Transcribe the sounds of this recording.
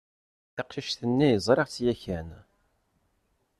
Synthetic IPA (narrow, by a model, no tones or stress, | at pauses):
θɑqʃiʃθənːijəzˤɾˤeʁt͡sːjæçæn